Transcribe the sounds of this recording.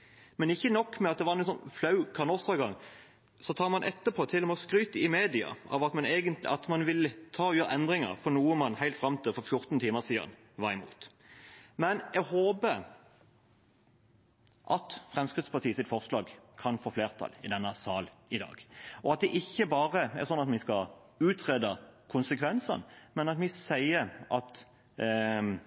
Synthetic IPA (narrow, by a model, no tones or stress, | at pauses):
mɛnɪçːənɔkːmɛɑt̪̚d̪ɛʋɑɾnɛsɔnflɑʉkʰɑnɔsɑɡɑŋ | sɔt̪ʰɑːmɑnʔɛt̪ːəpʰoːt̪ʰɪlːɔmɛɔskɾyːt̪əɪmeːd̪ɪɑ̰ɑ̰ʋɑt̪mɑneːɡənt̪lɪɑt̪mɑnʋɪlət̪ʰɑːɔjøːɾəʔɛnd̪ʁɪŋə̰ʁfɔnuːəmɑnhæɪlt̪fɾɑmt̪ʰɪlfɔɾfjʊɾt̪nt̪ʰiːməsiːd̪ɑ̰n | ʋɑʁɪmṵːt̪ | mɛnɛɡhoːbə | ʔɑt̪fʁɛmskʁɪd̪spɑt̪iːəsɪt̪fɔʁslɑːɡkʰɑnfoːfleːʁt̪ʰɑ̰lɪd̪ɛnːəsɑːlɪd̪ɑ̰ːɡɔɑt̪̚d̪ɛʔɪçːəbɑːʁəɛ̰ʁsɔnːɑt̪mɪskɑ | ʉːt̪ʰʁeːd̪ɑkʰʊnsəkʰʋɛnsə̰nmɛnɑt̪mɪsæɪəɾʔɑt̪